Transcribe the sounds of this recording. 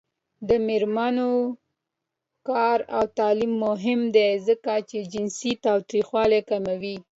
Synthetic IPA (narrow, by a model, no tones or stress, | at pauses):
d̪əmɪɾmano | kɑɾawt̪ɑlimːʊɦɪmd̪ezəkat͡ʃed͡ʒɪnsit̪ɑwt̪ɾixwɑlekamawi